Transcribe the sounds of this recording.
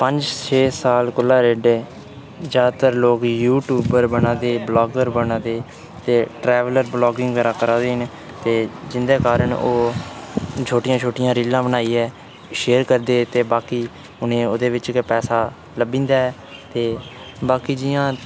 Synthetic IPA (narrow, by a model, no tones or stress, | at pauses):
pəɲd͡ʒt͡ʃʰeːsaːlkʊlːaːɾeːɖeː | d͡ʒaːd̪t̪əɾloːkjuːʈjuːbəɾbənãːd̪eːblɔːɡəɾbənãːd̪eː | t̪eːʈɾɛːʋələɾblɔːɡɪ̃ŋɡʋɛːɾaːkəɾaːd̪eːɦn | t̪eːd͡ʒɪnd̪eːkaːɾəɳoː | t͡ʃʰoːʈɪjãːt͡ʃʰoːʈɪjãːɾiːlːãːbənaːiːɛː | ʃeːɾkəɾd̪eːt̪eːbaːkiː | ʊnẽːoːd̪eːʋɪt͡ʃkpɛːsaː | ləbĩːnd̪aːɛː | t̪eː | baːkiːd͡ʒɪjãː